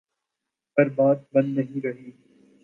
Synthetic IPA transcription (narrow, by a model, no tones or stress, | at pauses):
bɐɾbaːd̪̚bɐ̃nd̪nɐɦĩɾɐɦiː